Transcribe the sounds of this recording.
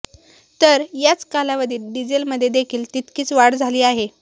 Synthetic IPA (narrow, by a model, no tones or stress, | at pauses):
t̪əɾjat͡skalaʋəd̪iːlɖid͡ʑelməd̪ʱːjed̪ekʰiːlt̪it̪kiːt͡sʋaɽd͡zʱaliːaɦe